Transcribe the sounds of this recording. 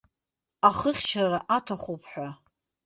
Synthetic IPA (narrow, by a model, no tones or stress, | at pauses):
aχəχʲʃarraʔatʰaχʷupʰħʷᶣa